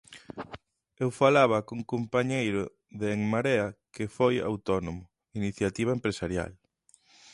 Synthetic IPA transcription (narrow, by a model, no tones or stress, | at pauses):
ewfalaβ̞ɐkuŋkompaɲejɾʊ | ðeːŋmaɾeakɪfoja̰wt̪ɔnomʊ | iniθjat̪iβ̞aempɾesaɾja̰l